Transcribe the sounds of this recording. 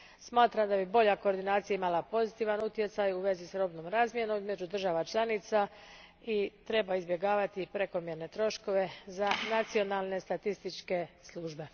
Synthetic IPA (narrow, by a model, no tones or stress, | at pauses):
smaːt̪ɾamd̪abibo̞ʎako̞ːɾd̪inaːt̪sijaimalˠapo̞zit̪iːʋanut̪je̞t̪sajuʋe̞zisɾo̞bnoːmɾaːzmje̞nomizme̞d͡ʒud̪r̩ʒaʋat͡ʃlˠanit̪sa | it̪ɾe̞baizbje̞ɡaːʋat̪ipɾe̞ko̞mje̞ɾne̞t̪ɾo̞ʃko̞ʋe̞zanat̪sio̞nalˠne̞st̪at̪ist̪it͡ʃke̞slˠuːʒbe̞